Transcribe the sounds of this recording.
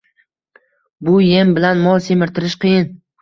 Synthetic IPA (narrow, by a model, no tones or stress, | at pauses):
bʊjembɪlanmɒlˠsemɪɾt̪ʰɪɾɪʃqʰijɪn